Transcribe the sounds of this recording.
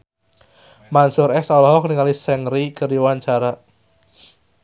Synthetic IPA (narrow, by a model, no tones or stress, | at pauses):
mansʊɾɛsalɔɦɔkəniŋalisɛŋɾikəriwaɲt͡ʃaɾa